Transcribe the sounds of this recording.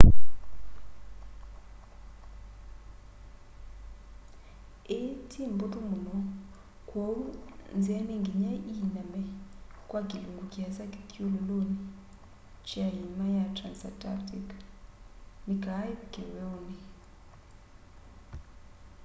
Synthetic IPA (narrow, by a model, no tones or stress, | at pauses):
etʰimbutuŋɡunɔ | kʰwond͡zianiŋɡiɲaʔinamɛkʼwaɡiluŋɡukiasaki̥kʼulɔloni | t͡ʃiaɦimajatʰransa̰tʼa̰tʰʼik | miɡakɛwɛwni